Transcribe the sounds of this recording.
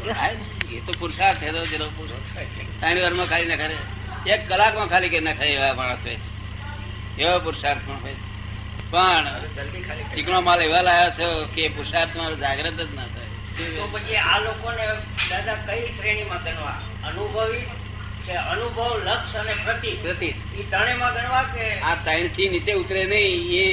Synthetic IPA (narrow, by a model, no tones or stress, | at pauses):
ae | et̪opuɾsaɾt̪ʰet̪od͡ʒeɾopuɾ | t̪aɽ̃ibəɾmãkʰalinəkʰaɾe | ekːəlakmãkʰalikəɾinakʰaamaɽ̃əsɦojt͡ʃʰe̥ | eʋopuɾʃaɾpəɳɦojet͡ʃʰe̥ | pəɳd͡ʒəld̪ikʰalit͡ʃikɳ̃omãliʋalajot͡ʃʰekepʊɾʃaɾt̪əmaɾod͡ʒaɡɾət̪əd͡ʒnət̪ʰae | eopət͡ʃʰialokone | d̪ad̪akəisɾeɽ̃imãɡʱəɳʋã | ənubʱəʋi | keənubʱəʋləkʃənepɾət̪ipɾət̪it̪it̪əɽemãɡʱəɳʋakeat̪əiɳt̪ʰinit̪eut̪ɾenəɦĩe